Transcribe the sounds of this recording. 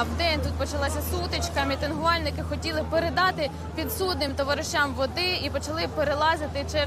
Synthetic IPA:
wd̪ɛnʲt̪ut̪̚pɔt͡ʃɐlˠɑsʲɐsut̪ɪt͡ʃkɐmʲit̪enɦʊʋɑlʲnɪkɪxɔtʲilˠɪpeɾed̪ɑt̪ɪ | pʲid̪sud̪̚nɪmt̪ɔʋɐɾɪʃt͡ʃamʋɔd̪ɪipɔt͡ʃɐlˠɪpeɾelˠɑzɪt̪ɪt͡ʃɛ

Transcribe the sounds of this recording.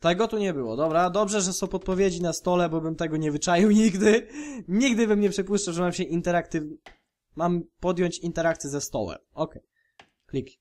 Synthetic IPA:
t̪ɛɡɔt̪uɲɛbɘwɔ̰d̪ɔbɾad̪ɔbʐɛʐɛsɔ̃w̃pɔt̪̚pɔvʲjed͡ʑinast̪ɔlɛbɔbɘmt̪ɛɡɔɲɛvɘt͡ʂajiwɲiɡd̪ɘɲiɡd̪ɘbɘmɲɛpʂɘpuʂt͡ʂawʐɛmamɕɛʔint̪ɛɾak̚t̪ɘ | mampɔd̪jɔɲt͡ɕint̪ɛɾakt̪sʲjɛzɛst̪ɔ̰wɛ̰mɔkɛj | klʲiki

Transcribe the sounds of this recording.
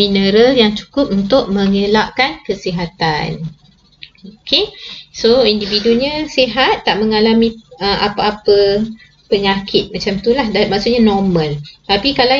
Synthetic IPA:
inəɾəljaŋt͡ʃu̥kʊp̚unt̪ʊʔ̚mə̃ŋəlaʔkankəsiɦat̪a̰n | okʰesoindividuɲəsiɦat̪ːaʔməŋalamĩəʔa̰paapə | pəɲakʰɪt̪̚mat͡ʃamt̪ulahdamaʔsuʔɲanɔmə̃lt̪apikala

